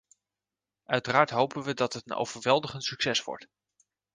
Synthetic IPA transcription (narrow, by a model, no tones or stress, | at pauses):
ʔœɥtəraːɹtɦowpənʋədɑtɦətəno̰wv̥əɹʋɛlˠdəχəntsyksɛsʋɔ̰ɹt